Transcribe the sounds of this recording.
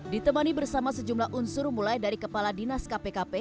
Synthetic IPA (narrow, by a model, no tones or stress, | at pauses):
dit̪əmanibərsamasəd͡ʒumlahʔunsʊrmulajdaɾikəpaladinaskapekape